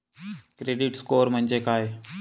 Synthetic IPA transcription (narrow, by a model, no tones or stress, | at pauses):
kɾeːɖɪʈskoːɾmə̃nd͡ʒeːkaːɦeː